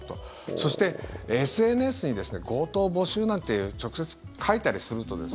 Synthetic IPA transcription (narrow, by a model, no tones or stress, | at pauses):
t̪o̞ | so̞ɕi̥t̪e̞esɨe̞nesɨɲ̟id̪e̞sɨne̞ɡo̞ːt̪o̞ːbo̞ɕɨːnãnt̪e̞jɯ̟ːt͡ɕo̞kɯ̟̥se̞t͡sɨ̥ | kʰait̪aɾʲisɨɾɯ̟t̪o̞̰d̪e̞̰s